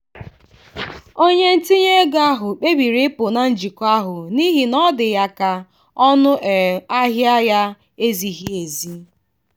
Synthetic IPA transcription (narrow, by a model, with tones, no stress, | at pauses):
o˦ɲe˦n̩˦ti˦ɲe˦ɡa˦ɦʊ˨k͡pe˦bi˨ɾi˦pʊ˨na˨n̩˦d͡ʒi˨kʊ˦a˦ɦʊ˨ni˦ɦi˨nɔ˦dɪ˨ja˨ka˨ | ɔ˦nʊ˦ʔɛ˨a˦ɦja˦ja˦ | e˦zi˨ɦi˦e˨zi˦